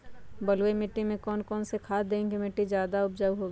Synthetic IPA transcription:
bɐlwemɪʈːimẽkɔːnkɔːnsekʰaːd̪ẽːŋkimɪʈːizjaːd̪aʊb̚d͡ʒəʋɦoːɡ

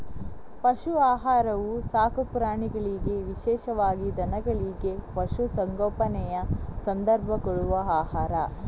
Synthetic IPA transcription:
pɐʃuaːɦaːɾɐʋusaːkɐpuɾaːɳiɡɐɭiɡeʋiʃɛːʃɐʋaːɡid̪ɐnɐɡɐɭiɡe̞pɐʃusɐŋɡɔːpɐnɛjɐsɐnd̪ɐɾbʱɐɡɔɭuʋɐaːhaːɾɐ

